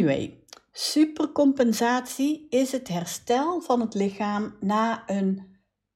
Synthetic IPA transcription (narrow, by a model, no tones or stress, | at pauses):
ḛjsypərkɔmpɛnzaːtsiɪsɦətɦɛrstɛlˠv̥ɑnɦətlɪxaːmnaːən